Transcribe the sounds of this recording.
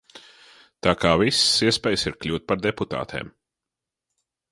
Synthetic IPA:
t̪aːkaːvissiɛspʲɛːjsiɾklʲuːt̪̚paɾd̪eput̪a̰ːt̪ʰḛːm

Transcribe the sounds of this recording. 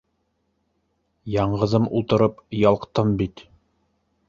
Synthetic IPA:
jɑɴʁɤ̆ðɤmulˠt̪ɤ̆ɾɤpjɑlˠqt̪ɤmbit̪

